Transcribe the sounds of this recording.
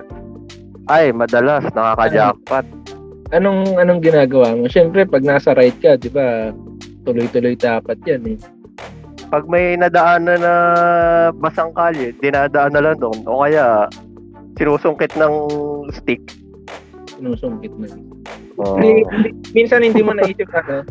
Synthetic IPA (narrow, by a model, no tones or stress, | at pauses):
ʔajmɐd̪ɐlasnɐkaːkɐd͡ʒaːk̚pɐt̪̚ | ʔɐno̞ŋʔɐnoŋɡɪnaːɡɐwaːmo̞ʃɛmpɾɛpɐɡ̚naːsɐɾajd̪̚kɐd̪ɪba | t̪ʊlojt̪ʊlojd̪aːpɐt̪̚janɛ | pɐɡ̚mɐjnɐd̪ɐʔaːnɐnɐ | bɐsɐŋkaːlɪd̪ɪnaːd̪ɐʔanːɐlaŋd̪oʔonʔo̰ːkɐjaʔ | sɪnuːsʊŋkɪt̪̚nɐŋst̪ɪk̚ | sɪnuːsʊŋkɪt̪̚nɐŋ | ʔoiɪnd̪iminsɐnhɪnddiːmonɐʔiːʃokak̪o